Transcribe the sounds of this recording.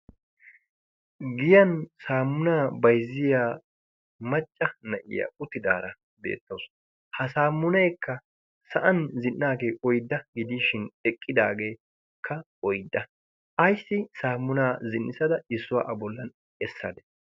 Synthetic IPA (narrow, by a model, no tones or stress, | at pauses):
ɡɪjɐnsaːmːʊnaːbɐjzːɪjaː | mɐt͡ʃʼːɐnɐʔɪ̰ja̰ːʊt̪ːɪd̪a̰ːɾɐ | be̞̰ːt̪ːoːs | hɐsaːmːʊnɐjkːɐ | sɐʔɐnzɪnːaːɡeːʔɔjd̪ːɐɡɪd̪iːʃɪnɛkʼːɪd̪aːɡe̞ː | kʰːɐ | ɔjd̪ːɐ | ʔɐjsːɪsaːmːʊnaːzɪnːɪsɐd̪ɐɪsːʊwa̰ːʔɐbɔlːɐn | ɛsːɐd̪ɛ̥